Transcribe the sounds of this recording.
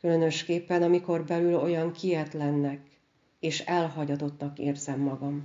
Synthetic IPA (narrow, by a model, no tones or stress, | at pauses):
kylø̞nø̞ʃkeːpːɛnɒmiko̞rbɛlylo̞jɒŋkijɛt̪lɛnːɛk | eːʃɛlɦɒɟɒt̪o̞t̪nɒkeːrzɛmːɒɡɒm